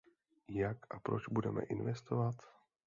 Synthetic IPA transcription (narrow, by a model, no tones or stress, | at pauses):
jakʔapɾot͡ʃbudɛmɛ̰ʔɪnvɛst̪ovat̪